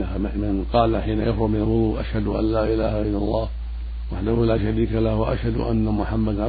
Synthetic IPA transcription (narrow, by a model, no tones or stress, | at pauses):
amɪnqɑːlaħiːnajafɾʊmɪnalɣʊd̪ˤuːʔa̰ʃhad̪ʊʔa̰nlaːʔɪlaːhaʔɪlːalˤːɑːh | waħd̪ahʊlaːʃaɾiːkalahwaʔa̰ʃhad̪̰ʔa̰nːamʊħamːad̪ʕa